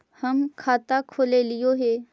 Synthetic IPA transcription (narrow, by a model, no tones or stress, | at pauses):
hɐmkʰaːt̪akʰoːlelɪjoɦɛː